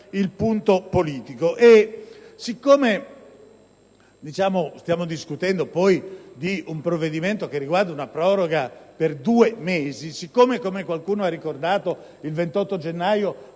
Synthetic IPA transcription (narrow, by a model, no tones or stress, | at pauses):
ilpunt̪opoliːt̪ikoʔesikːoːme | d̪it͡ʃaːmost̪jaːmod̪iskut̪ɛnd̪opɔjd̪iumpɾovːed̪iment̪okerːiɡward̪aunapɾɔːɾoɡaperd̪uːemeːzisikːoːmekomekwalkuːnoarːikord̪aːt̪o | ilvent̪ɔt̪ːod͡ʒenːaːjo